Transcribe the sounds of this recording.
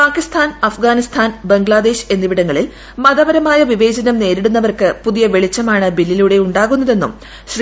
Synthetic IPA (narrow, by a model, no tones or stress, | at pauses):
paːkist̪ʰaːnɐfɡaːnist̪ʰaːnbɐŋɡɭaːd̪e̞ːɕe̞nːiʋiɽɐŋːɐɭil | mɐðɐʋɐɾɐmaːjɐʋiʋe̞ːd͡ʑɐnɐmne̞ːɾiɽunːɐʋɐrkɨpuðijɐʋe̞ɭit͡ɕːɐmaːɳɨbilːiluɽe̞uɳɖaːɣunːɐðe̞nːṵm | ɕr